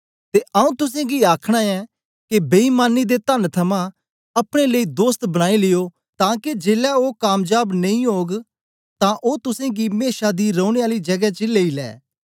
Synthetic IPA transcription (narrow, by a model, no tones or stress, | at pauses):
t̪eːʔɐũːt̪ʊs̬ẽːɡiaːkʰɽ̃aːɛ | kebeiːmaːnid̪et̪ənt̪ʰɐmã | ɐpɽ̃eleiːd̪oːst̪bɐɽ̃aːilɪjo | t̪ãːked͡ʒeːlɛoːkaːmd͡ʒaːbnɐ̃ĩɦoːɡ | t̪ãʔoːt̪ʊsẽɡimeːʃad̪iɾõːʊɽ̃eaːlid͡ʒɐɡɛt͡ʃɪleːilɛ̰ː